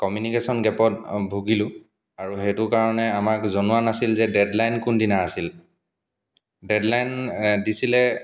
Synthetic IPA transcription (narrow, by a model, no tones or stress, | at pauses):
kɔmjunikesɔnɡɛpɔt̚bʱuɡilʊ̃ | aɹuɦɛjtʊkaɹɔnɛamakzɔnuwanasilzɛdɛdlajnkundinaːsil | dɛdlajndisilɛ